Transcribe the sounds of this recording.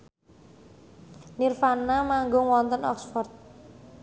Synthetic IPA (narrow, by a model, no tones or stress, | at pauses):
nirfanamaŋɡʊŋwɔnt̪ənɔ̰ksfɔrt̪̚